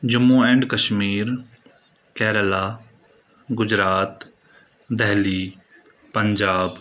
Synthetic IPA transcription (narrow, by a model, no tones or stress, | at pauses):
d͡ʒʊmːuːɛ̃ːɳɖkəʃmiːɾ | kɛːɾəlaː | ɡʊd͡ʑɾaːt̪ | d̪ɛɦli | pəɲd͡ʒaːb